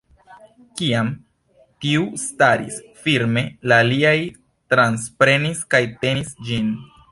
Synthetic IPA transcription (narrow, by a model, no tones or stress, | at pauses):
kiam | tiustaɾḭs | fiɾme̞laːliaj | tɾanspɾe̞niskajte̞nisd͡ʒin